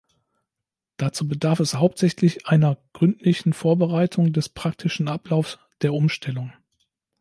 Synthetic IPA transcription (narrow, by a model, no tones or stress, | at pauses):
d̥at͡suːbədaɐfɛshaʊp̚tz̥ɛçlɪçʔaɪnɐɡ̥ʁʏntʰlɪçn̩foːɐbəʁaɪtʰʊŋdɛspʁ̥ak̚tʰɪʃn̩ʔaplaʊfs | d̥eːɐʔʊmʃtʰɛlʊŋ